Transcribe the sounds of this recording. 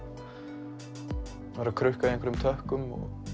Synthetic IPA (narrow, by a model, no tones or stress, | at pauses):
aɾakʰɾʏhkaðiẽŋkvɛɾʏmt̪ʰœhkʏmɔ̰ɣ